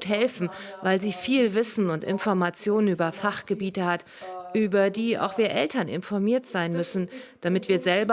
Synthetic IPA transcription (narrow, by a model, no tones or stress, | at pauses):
tɦɛlfn̩vaɪlziːfiːlvɪsn̩ʊntɪ̰nfɔɐmat͡sjoːnənyːbɐfaχɡ̥əbiːtəhat | ʔyːbɐdiːʔa̰ʊxv̥iːɐʔɛltɐnɪ̰nfɔɐmiːɐtz̥aɪnmʏsn̩d̥amɪtv̥iːɐzɛlbɐ